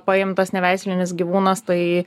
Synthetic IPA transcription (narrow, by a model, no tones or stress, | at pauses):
pɐɪmt̪ɐsnʲɛʋʲæˑɪsʲlʲɪnʲɪsɡʲiʋuːnɐst̪ɐɪ